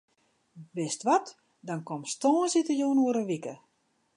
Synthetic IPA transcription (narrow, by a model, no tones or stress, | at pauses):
ʋɪstʋɔt | dɔnkɔmstɔːnsitəjuːnuəɾəʋikə